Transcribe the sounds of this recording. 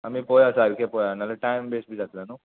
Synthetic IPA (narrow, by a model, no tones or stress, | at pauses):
ɐmipojasaɾkepojanaleʈajmbeːsbid͡ʒak̪ilanu